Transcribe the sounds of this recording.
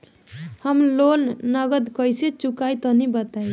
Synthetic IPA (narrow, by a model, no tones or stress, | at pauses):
həmlonnəɡəd̪kəjset͡ʃukajt̪ɔnibət̪aj